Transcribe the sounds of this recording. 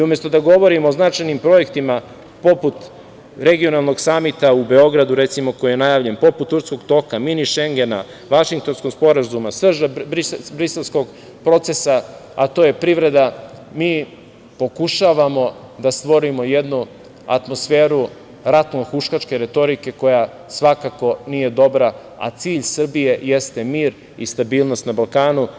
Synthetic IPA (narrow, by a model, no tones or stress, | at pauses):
iume̞st̪o̞d̪aɡo̞ʋo̞ɾimoːznat͡ʃajnimpɾo̞e̞kt̪ima | po̞put̪ | ɾe̞ɡio̞nalˠno̞ɡsamit̪aube̞o̞ɡɾad̪uɾe̞t̪simo̞ko̞jijenajaːʋʎe̞npo̞put̪ːuɾt̪sko̞ɡt̪o̞kaminiʃeŋɡena̰ | ʋaʃiŋk̚t̪o̞nsko̞ɡspo̞ɾazumasʋr̩ʒabɾisbɾise̞lˠsko̞ɡ | pɾo̞t̪se̞saat̪o̞ːje̞pɾivɾe̞d̪amiː | po̞kuʃaːʋamo̞ | d̪ast̪ʋo̞ɾimo̞jed̪nu | a̰t̪mo̞sfe̞ːɾu | ɾat̪noxuʃkat͡ʃke̞ɾe̞t̪o̞ɾike̞ko̞ja | sʋakako̞nije̞d̪o̞bɾa | a̰t̪siːʎsr̩bije̞je̞st̪e̞miːɾ | ist̪abiːlˠno̞st̪nabalˠkaːnu